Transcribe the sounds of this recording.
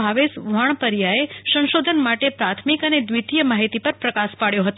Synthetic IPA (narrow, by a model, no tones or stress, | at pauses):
aʋesʋaɳ̃pəɾjaesə̃nʃod̪ʱənmaʈepɾat̪ʰmikəned̪ʋit̪ijəmaɦit̪ipəɾpɾəkaspaɭjoɦət̪